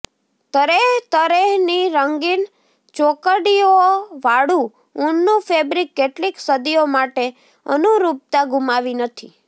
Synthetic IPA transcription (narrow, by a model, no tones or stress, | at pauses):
t̪əɾeɦt̪əɾeɦniɾəŋɡin | t͡ʃokəɽioʋaɽũ | unːũfebɾikːeʈliksəd̪iomaʈe | ə̰nuɾup̚t̪aɡumaʋinət̪ʰi